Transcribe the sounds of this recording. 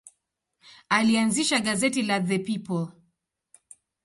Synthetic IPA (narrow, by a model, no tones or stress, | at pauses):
alianziʃaɠazɛtilaðɛpipɔl